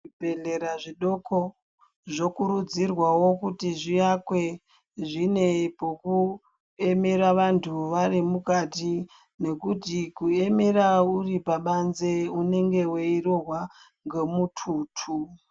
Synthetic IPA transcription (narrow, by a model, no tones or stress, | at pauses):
ibeɮeɾaʐiɗo̞ko | ʐo̞kuɾud͡zirwawo̞kutiʐijakwe̞ | ʐine̞poku | e̞me̞ɾaʋantʰuʋarimukati | ne̞kutikue̞me̞ɾauripaɓanze̞une̞ŋɡe̞weiro̞ɦwa | ŋɡemutʰuːtʰu